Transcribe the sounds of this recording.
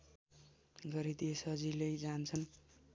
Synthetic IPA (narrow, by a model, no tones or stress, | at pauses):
ɡʌɾid̪iesʌd͡zilʌjd͡zant͡sʰʌn